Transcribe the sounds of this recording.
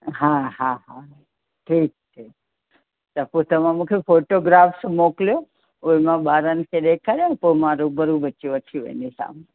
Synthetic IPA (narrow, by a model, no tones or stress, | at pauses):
ɦãɦãɦã | ʈʰiːk̚ʈʰik | t̪əpot̪ɐmãmũkʰefoʈoɡɾaːfsmokljo | omãɓaːɾənkʰeɗ̪ekʰaɾjonpomaɾũbəɾubət͡ʃuʋət̪ʰijuʋḛnisa̰ːme